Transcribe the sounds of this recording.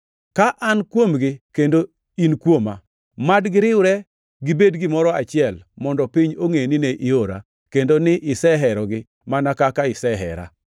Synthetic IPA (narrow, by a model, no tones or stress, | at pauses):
kaʔankwomɡɪkendo | inkwoma̰ | madɡɪɾɪʊɾɛ | ɡibedɡɪmɔɾɔat͡ʃɪɛlmɔndɔpiɲoŋenineʔɪoɾa̰ | kendonɪʔɪsɛɦɛɾɔɡɪ | manakakaɪsɛɦɛ̰ɾa̰